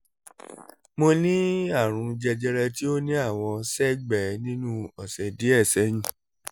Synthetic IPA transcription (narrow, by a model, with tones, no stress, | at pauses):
mo˧nĩ˦a˦˨ɾ̃ũ˨˧d͡ʒɛ˧d͡ʒɛ˧ɾɛ˧ti˦o˦nĩ˦a˦˨w̃ɔ̃˧sɛ˦ɡ͡bɛ˨˦nĩ˦nũ˦ɔ˨sɛ˨di˨˦ɛ˦˨sɛ˨˦j̃ĩ˦˨